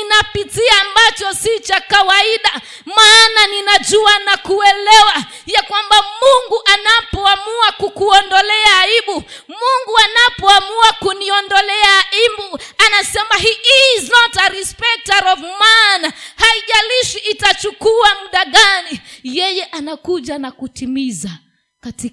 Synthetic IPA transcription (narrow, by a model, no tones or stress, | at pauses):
inapitiaːmbat͡ʃɔsit͡ʃakawaiɗa | maːnaninad͡ʒuanakuɛlɛwa | jakwambamuŋɡuʔanapɔamuakukuɔndɔlɛaːiɓu | muŋɡuanapɔamuakuniɔndɔlɛaimbuanasɛmaɦiːizɔtaɾispɛk̚taɾɔvmaːnahaiʄaliʃiːtat͡ʃukuamuɗaɠanijɛjɛʔanakuʄanakutimiza | katik